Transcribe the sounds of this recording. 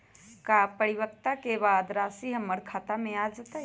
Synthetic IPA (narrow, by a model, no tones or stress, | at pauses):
kapəɾiʋək̚t̪akebaːd̪ɾaːsiɦɐmːəɾkʰaːt̪amẽaːd͡ʒat̪a